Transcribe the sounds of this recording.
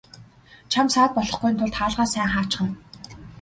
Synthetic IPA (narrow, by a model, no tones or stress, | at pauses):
t͡ɕʰamsaːt̪̚pɔɮɞ̆χɡujnt̪ʰʊɮt̪ʰaːɮʁaːsæːŋχaːt͡ɕχə̆n